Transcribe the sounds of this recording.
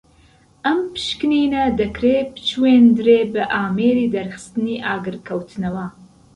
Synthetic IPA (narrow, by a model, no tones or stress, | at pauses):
ʔɐmpʰɨ̥ʃkɨniːnɐd̪ɐkɾeːbɨ̥t͡ʃʰweːnd̪ɨɾeːbɨʔaːmeːɾiːd̪ɐɾxɨ̥st̪ɨniːʔaːɡɨɾkʰɐwt̪ʰɨnɐwɐ